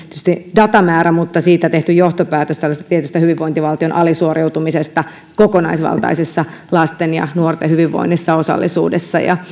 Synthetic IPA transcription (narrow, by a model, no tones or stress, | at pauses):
e̥t̪yst̪idɑt̪ɑmæːɾæmut̪ːɑsiːt̪æt̪eht̪yjoht̪opæːt̪øst̪ælːæst̪æt̪iet̪yst̪æhyʋiʋʋoint̪iʋɑlt̪ionʔɑlisuorewt̪umisest̪ɑ | kokonɑisʋɑ̰lt̪ɑ̰isisːɑlɑst̪enjɑ̰nuort̪ehyʋiʋːo̰inːisːɑo̞sɑ̰lːisṵːdesːɑ̰jɑ̰